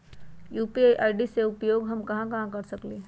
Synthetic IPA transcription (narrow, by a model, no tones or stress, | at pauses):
juːpiajʔaːɪɖiseʊpjoːɡɦɐmkɐɦãkɐɦãkɐɾsɐkleː